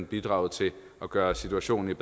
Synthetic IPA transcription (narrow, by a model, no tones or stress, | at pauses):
nb̥id̥ʁɑ̈ʊð̩ˠt͡sʰe̝ | ɒ̽ɡ̥ɶːɐsit͡sʰuæɕo̝̰ːn̩ib̥